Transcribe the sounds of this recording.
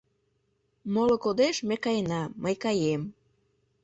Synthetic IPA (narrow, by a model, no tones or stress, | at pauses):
molokod̪eʃmekɑjenɑːəjkɑjem